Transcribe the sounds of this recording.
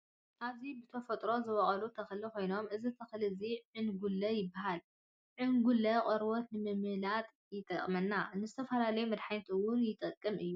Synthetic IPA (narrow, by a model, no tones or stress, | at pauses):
ʔazibɨt̪ʰɐfɐt̪ʼɾo̞zɨwɐʔʼɐlut̪ʰɐxɨlikʰo̞jno̞mʔɨzit̪ʰɐxlɨziʕɨnɡulːɐjɪbːaɦal | ʕɨnɡulːɐkʼɐɾbot̪nɨmɨmɨlat̪ʼ | jɪt̪ʼɐkʼmɐnːanɨzɨt̪ʰɐfɐlalɐjumɐd̪ħajt̪ʰɨwʊnjɪt̪ʼɐkʼːɨmʔɨjːu